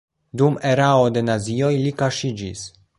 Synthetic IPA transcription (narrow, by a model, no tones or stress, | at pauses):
dume̞ɾaode̞nazio̞jlikaʃid͡ʒis